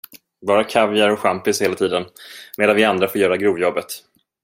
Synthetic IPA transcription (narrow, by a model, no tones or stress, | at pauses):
bɑːɾakʰavɪəɾɔkɧampɪsheːlat̪ʰiːd̪ənmeːd̪anvɪand̪ɾafoːɾjœːɾaɡɾuːvjɔbːət̪